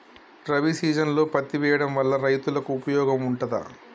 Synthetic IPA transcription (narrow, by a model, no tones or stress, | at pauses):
ʈɾɐʋisiːd͡ʒɐnlo̞ːpɐt̪ːiʋɛːjɐɽɐmʋɐlːɐɾɐjt̪ulɐkuːpɐjɔːɡɐmuɳʈɐd̪ɐ̰